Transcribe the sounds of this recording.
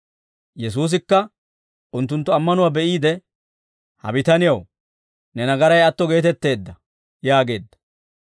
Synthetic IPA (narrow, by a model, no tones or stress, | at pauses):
jɛs̬uːs̬ɪkːɐ | ʔʊnt̪ːʊnt̪ːʊɐmːɐnʊwaːbɛʔiːd̪ɛ | hɐ̰bɪt̪ɐnɪjɐw | nɛnɐɡɐɾɐjɐt̪ːɔɡe̞ːt̪ɛt̪ːe̞ːd̪ːɐ | jaːɡe̞ːd̪ːɐ̥